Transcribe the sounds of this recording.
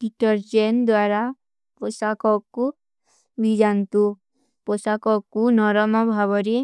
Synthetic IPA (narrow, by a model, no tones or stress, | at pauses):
ɖiʈɔɾd͡ʒend̪waɾa | posakɔkːu | bʱid͡ʒant̪u | pɔsakɔkunɔɾɔmɔbʱaʋɔɾi